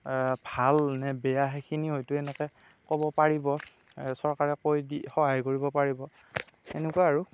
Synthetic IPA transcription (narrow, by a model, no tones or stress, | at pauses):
bʱalnɛbɛjaɦekʰinihojtʊɛnɛkɛ | kɔbɔpaɹibɔ | sɔɹkaɹɛkojdixɔɦajkoɹibɔpaɹibɔ | ɛnekuwaaɹu